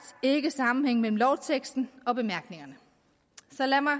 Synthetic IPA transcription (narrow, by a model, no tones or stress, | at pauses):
se̝ɡ̥əsɑ̈mm̩heŋ̰mel̰m̩lɒʊt͡sʰeɡ̥sd̥n̩ɒ̽b̥e̝mæɐɡ̥ne̝ŋɐnə | sɒ̽læmɑ̈